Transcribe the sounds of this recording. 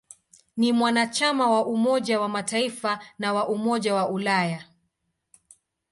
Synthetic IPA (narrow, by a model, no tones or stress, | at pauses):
nimwanat͡ʃamawaʔumɔʄawamataifanawaʔumɔʄawaʔulaja